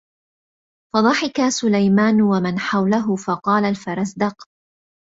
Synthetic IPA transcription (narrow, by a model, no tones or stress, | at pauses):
fɑd̪ˤɑħɪkasʊlajmaːnwamanħawlaɦʊfɑqɑːlalfɑɾˤɑsd̪ɑq